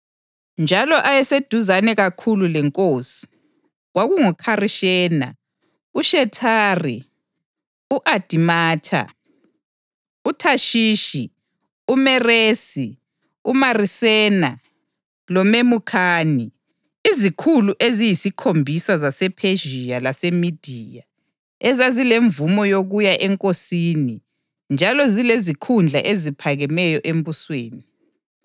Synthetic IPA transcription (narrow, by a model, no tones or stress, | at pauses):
nd͡ʒʱalɔʔajɛsed̥ʱuzanɛɣakʰululɛŋkʼoːsi̥ | ɣwaɣuŋukʰariʃɛːna̰ | uʃɛtʰaːri | uʔad̥ʱimaːtʰa̰ | utʰaʃiːʃi | umɛreːsi | umarisɛna | lɔmemukʰaːni | izikʰuluʔezijisikʰombʱisazasɛpʰeʒijalasemid̥ʱija | ɛzazileɱvumɔjoɣujaʔɛŋkʼosini | nd͡ʒʱalɔzilezikʰund͡ɮʱaʔezipʰaɣɛmɛjɔʔembusweːni